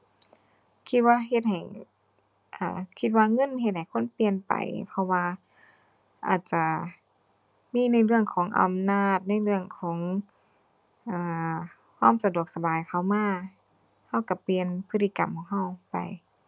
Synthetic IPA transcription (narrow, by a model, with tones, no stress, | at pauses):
kʰi˧t̪̚waː˧ɦe˧t̪̚ha˨˩j | ʔaː˧˩kʰi˧t̪̚waː˧ŋɤ˧˥˨nɦe˧t̪̚ha˨˩jkʰo˧˥˨npi˧ənpa̰˨˩jpʰɔ˧waː˧ | ʔa̰ː˨˩t̪̚t͡ɕa˧˩ | miː˧˥˨na˧˥˩jlɯ˧˩əŋkʰɔː˨˦ŋʔa̰˨mnaː˧˩t̪̚na˧˥˩jlɯ˧əŋkʰɔː˨˩˦ŋ | ʔaː˧˩ | hʰɔː˧˥˨msa˧du˨˩ək̚sa˧baː˨˩jkʰa˧˩wmaː˧˥˨ | ha˧˥˩wka˧˩pli˧ənpʰɯ˧˥t̪ʰːi˧ka˨mpkʰɔː˧˩ŋɦa˧˩˨wpa̰˨˩j